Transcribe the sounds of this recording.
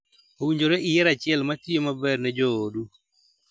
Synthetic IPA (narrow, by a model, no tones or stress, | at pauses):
owiɲd͡ʒoɾɛʔɪjɛɾat͡ʃɪɛlmatiomabɛrnɛd͡ʒoodu